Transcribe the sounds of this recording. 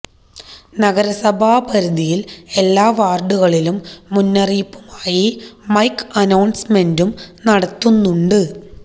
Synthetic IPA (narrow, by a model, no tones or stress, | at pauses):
nɐɣɐɾɐsɐbʱaːpɐɾud̪ijile̞lːaːʋaːrɖuɣɐɭilumːunːɐriːpːumaːjimɐjkːɐnɐwnsme̞ndumnɐɽɐt̪ːunːuɳɖɨ